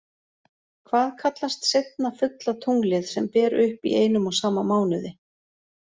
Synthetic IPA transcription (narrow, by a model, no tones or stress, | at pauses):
kʰvaːðkʰat̪last̪sejt̪̚nafʏt̪lat̪ʰuŋklɪðsɛmpɛːɾʏhpḭeːjn̪ʏmɔɣsaːmamaːwnʏðɪ